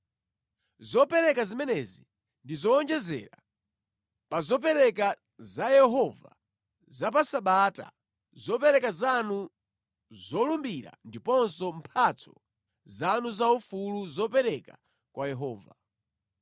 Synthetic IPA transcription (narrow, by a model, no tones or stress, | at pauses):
zɔpɛɾɛkazimɛnɛzi | ndizɔɔnd͡ʒɛzɛ̰ɾa | pazɔp̬ɛɾɛk̬a | zajɛɦɔva̰ | zapasaɓata̰ | zɔpɛɾɛkazanu | zɔlumbiɾa̰ndipɔnsɔm̩pʰat͡sʰɔ̥̰ | zanuzaufuluzɔpɛɾɛka | kwʔajɛɦɔːva